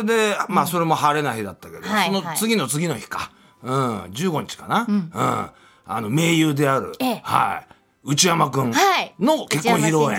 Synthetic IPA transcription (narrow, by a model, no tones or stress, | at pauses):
ed̪e̞maːso̞ɾe̞mo̞ɦaɾe̞naçid̪at̪ːake̞d̪sonot͡sɨɡʲino̞t͡sɨɡʲino̞çi̥ka | ɯ̟̃d͡ʑɨːɡo̞ɲ̟it͡ɕi̥kanaɯ̟̰̃ɴ | a̰no̞me̞ːjɯːd̪e̞aɾɯ̟̰ha̰ḭ | ɯ̟t͡ɕijamakɯ̟̃ɴano̞ke̞kːõçiɾo̞ẽ